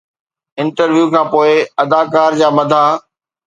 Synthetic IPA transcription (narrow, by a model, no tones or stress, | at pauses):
ɪ̃nʈəɾʋjuːkʰãːpoːɪɐd̪aːkaːɾd͡ʑaːmɐd̪ʱaː